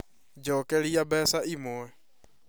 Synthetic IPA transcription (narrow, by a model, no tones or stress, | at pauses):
d͡ʒɔːkɛɾiabɛsaʔimɛ